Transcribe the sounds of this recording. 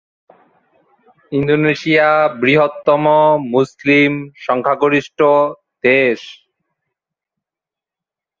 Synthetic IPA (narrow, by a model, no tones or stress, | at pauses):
ind̪oneʃiabɾiɦot̪ːɔmomuslimʃɔŋkʰaɡoɾiʃʈo | d̪̥eʃ